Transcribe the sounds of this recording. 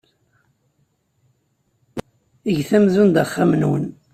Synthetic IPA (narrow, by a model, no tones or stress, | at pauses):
iʝθæmðund̪χːamnwən